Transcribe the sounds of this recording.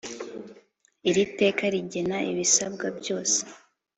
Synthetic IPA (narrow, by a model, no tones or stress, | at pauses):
iɾite̞ːkaɾiɟenaḭβisabɡabjo̞ːse̥